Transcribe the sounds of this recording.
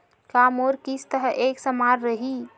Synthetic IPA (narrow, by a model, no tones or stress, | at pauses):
kamoɾkist̪əɦəʔeksəmaɾɾəɦi